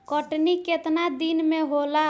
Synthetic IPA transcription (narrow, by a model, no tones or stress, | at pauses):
kəʈniket̪nad̪inmeɦola